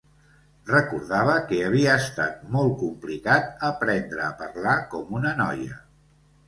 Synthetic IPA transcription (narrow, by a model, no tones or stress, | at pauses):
rəkuɾð̞aβ̞əkəəβ̞iəːst̪a̰t̪̚mɔlˠt̚kumplikat̪̚əpɾɛnd̪ɾəːpərlakɔmunənɔ̰jə̰